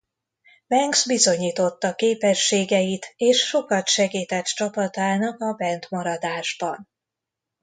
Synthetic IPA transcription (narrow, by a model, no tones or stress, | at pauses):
bɛŋɡzbizo̞ɲiːt̪o̞t̪ːɒkeːpɛʃːeːɡɛjit̪eːʃʃo̞kɒt̪ʃɛɡiːt̪ɛt̪t͡ʃɒpɒt̪aːnɒkɒbɛnt̪mɒɾɒd̪aːʒbɒn